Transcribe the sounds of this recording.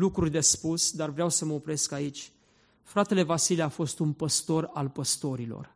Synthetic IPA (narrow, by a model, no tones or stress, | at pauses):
lukɾurʲd̪e̞spusd̪arvɾeawsəməopɾe̞skait͡ʃʲ | fɾat̪e̞le̞vasiliafo̞st̪unpəst̪o̞ɾalpəst̪o̞ɾilo̞̰r